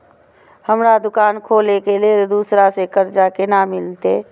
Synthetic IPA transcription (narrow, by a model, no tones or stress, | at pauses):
həmɾad̪ʊkaːnkʰoːlekeled̪uːsɾasekəɾd͡ʒakenamɪlt̪ḛː